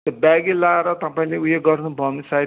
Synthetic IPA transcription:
ʌbaɡilaeɾʌt̪ʌpaĩleujeɡʌrnubʱʌnisa

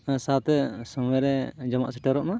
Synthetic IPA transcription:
sat̪ɛsɔmɛɾɛd͡ʒɔmaʔsɛʈɛɾɔʔma

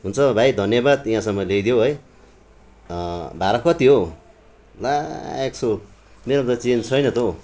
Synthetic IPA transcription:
ɦunt͡sʰʌbʱajd̪ʱʌnjʌbad̪iɦãsʌŋːʌlejd̪joɦʌj | bʱaɾʌkʌt̪iɦo | laeksomeɾʌd̪ʌt͡sint͡sʰʌjnʌt̪o

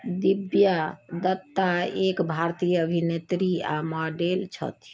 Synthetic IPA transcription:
d̪ibjad̪ət̪ːaekbʱaɾt̪ijəəbʱinet̪ɾia̰mɔɖelt͡ʃʰə̰t̪

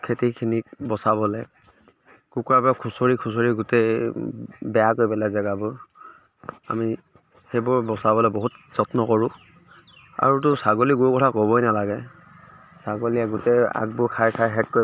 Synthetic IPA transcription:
kʰetikʰinik̚bɔsabɔlɛ | kukuabakʰusoɹikʰusoɹiɡʊtɛ | bɛjakojbɛlazaɡabɔ | a̰mi | xebʊɹbɔsabɔlɛbɔɦutz̥ɔtnɔkɔɹʊ | a̰ɹutʊsaɡoliɡuɹukɔtʰakobɔjnalaɡɛ | saɡoliaɡʊtɛa̰ɡ̚bʊkʰajkʰajɦɛt̚koj

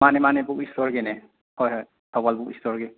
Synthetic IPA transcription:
manɛmanɛbukistɔɹɡɛnɛ | hɔjɦɔj | tɔbalbukistɔɹɡɛ

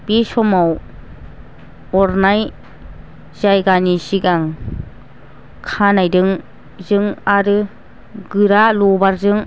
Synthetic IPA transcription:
b̥isɔmaw | ɔɾnaj | zajɡanisiɡaŋ | kʰanajdɯŋ | zɯŋaɾɯ | ɡɯɾalɔbaɾzɯŋ

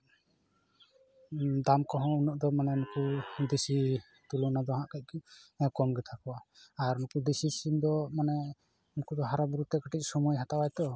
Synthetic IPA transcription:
d̪amkɔɦɔ̃unɔʔd̪ɔmanɛnɔkud̪isi | t̪ulunad̪ɔɦãʔkac̚ˀkikɔmɡɛt̪ʰakɔwaːɾnɔkud̪isisimd̪ɔmanɛ | unkud̪ɔɦaɾabuɾut̪ɛkaʈic̚sɔmujɦat̪awajt̪ɔ

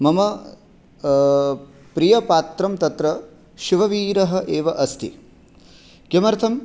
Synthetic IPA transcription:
mɐmɐ | pɾijɐpaːt̪ɾɐmt̪ɐt̪ɾɐ | ʃiʋɐʋiːɾɐɦɐ̆ʔeːʋɐʔɐst̪ʰḭ | kjɐmɐɾt̪ʰɐm

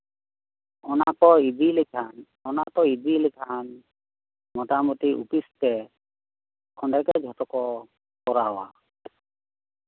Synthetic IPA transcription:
ɔnakɔib̪ilikʰan | ɔnat̪ɔid̪ilɛkʰan | mɔt̪amut̪iʔṵpist̪ɛ | kʰɔɳɖɛkɛd͡ʒʱɔt̪ɔkɔ | kɔɾaɔwa̰

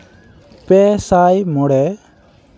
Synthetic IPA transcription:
pɛsajmɔɽɛ

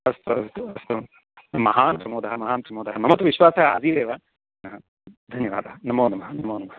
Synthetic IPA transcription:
ɐst̪uɐst̪uɐst̪u | mɐɦaːnpɾɐmoːd̪ɐɦɐmɐɦaːnpɾɐmoːd̪ɐɦɐnɐmɐt̪uʋiʃʋaːsɐɦɐɐ̰ziːd̪eːʋɐ | nɐɦɐ | d̪ʱɐnjɐʋa̰ːd̪ʱɐɦɐnɐmoːnɐmɐɦɐnɐmoːnɐmɐɦɐ

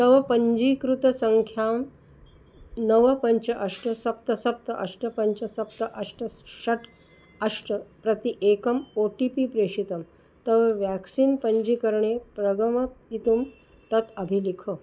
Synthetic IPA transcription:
t̪əʋpəɲd͡ʑikɾut̪əsəŋkʰjam | nəʋəpəɲt͡ɕɐʔɐʂʈəsɐp̚t̪əsɐp̚t̪əʔɐʂʈəpɐɲt͡ɕəsɐp̚t̪əʔɐʂʈəsɐʈʰ | ɐʂʈəpɾɐt̪iʔekəmoʈipipɾeʂit̪əm | t̪ɐʋʋæksiːnpəɲd͡ʑikəɾɳepɾəɡəməit̪um | t̪ɐt̪ɐbʱilikʰə

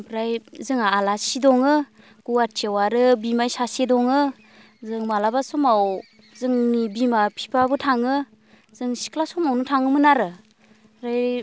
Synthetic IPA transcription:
pʰɾajzɯŋaːlasidɔŋɯ | ɡ̥uatʰiawaɾɯbimajsasedɔŋɯ | zɯŋmalabasɔmaw | zɯŋnibimapʰi̥pʰabɯtʰaŋɯ | z̥ɯŋsi̥klasɔmawnutʰaŋɯmɯnaɾɯ | ɾaj

